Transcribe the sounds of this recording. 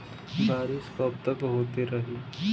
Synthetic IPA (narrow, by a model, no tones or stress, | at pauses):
baːɾiskɔːp̚t̪əkɦoːt̪iɾɐɦiː